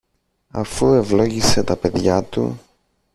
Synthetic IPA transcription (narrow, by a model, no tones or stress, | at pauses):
ɐ̰fue̞vlo̞ʝise̞t̪ɐpe̞ðʝɐt̪ṵ